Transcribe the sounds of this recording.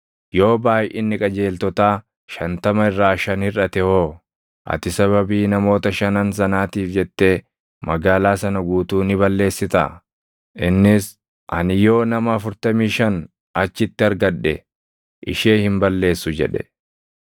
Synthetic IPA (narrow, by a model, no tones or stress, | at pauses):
jo̞ːbaːjʔɪnːɪkʼɐd͡ʒe̞ːlt̪ɔt̪aː | ʃɐnt̪ɐmɐɪrːaːʃɐnhɪrɐt̪ɛho̞ː | ʔɐ̰t̪ɪsɐβɐbiːnɐmo̞ːt̪ɐʃɐnɐnsɐnaːt̪iːfd͡ʒɛt̪ːe̞ː | mɐɡaːlaːsɐnɐɡuːt̪uːnɪbɐlːe̞ːsːɪt̪a̰ | ʔɪnːɪs | ʔɐnɪjo̞ːnɐmɐɐfʊɾt̪ɐmiːʃɐn | ɐt͡ʃːɪt̪ːɪɐɾɡɐɗːɛ̰ | ʔɪ̰ʃeːhɪmbɐlːe̞ːsːʊd͡ʒɛ̰ᶑɛ̥̰